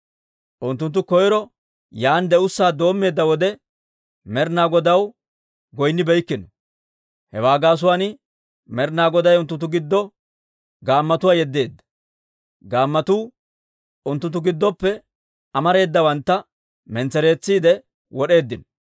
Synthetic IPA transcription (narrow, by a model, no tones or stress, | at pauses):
ʔʊnt̪ːʊnt̪ːʊkɔjɾɔ | jaːnd̪ɛʊsːaːd̪o̞ːmːe̞ːd̪ːɐwɔd̪ɛ | mɛɾnaːɡɔd̪ɐw | ɡɔjnːɪbɛjkːɪnɔ | hɛwaːɡaːs̬ʊwaːnɪ | mɛɾnaːɡɔd̪ɐjʊnt̪ːʊnt̪ːʊɡɪd̪ːɔ | ɡaːmːɐt̪ʊwaːjɛd̪ːe̞ːd̪ːɐ̥ | ɡaːmːɐt̪uː | ʊnt̪ːʊnt̪ːʊɡɪd̪ːɔpːɛ | ɐmɐɾe̞ːd̪ːɐwɐnt̪ːɐ | mɛnt͡sɛɾe̞ːt͡sːiːd̪ɛ | wɔɗe̞ːd̪ːɪnɔ